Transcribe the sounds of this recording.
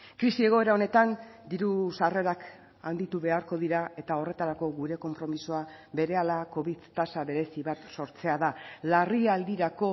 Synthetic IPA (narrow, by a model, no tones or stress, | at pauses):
kɾisie̞ɣ̞o̞e̞ɾao̞ne̞t̪and̪iɾusare̞ɾak | a̰nd̪it̪uβe̞aɾko̞ðiɾae̞t̪ao̞re̞t̪aɾako̞ɣuɾe̞ko̞mpɾo̞misoaβe̞ɾe̞alako̞βiðt̪asaβe̞ɾe̞siβat̪so̞ɾt͡se̞aðalariald̪iɾako̞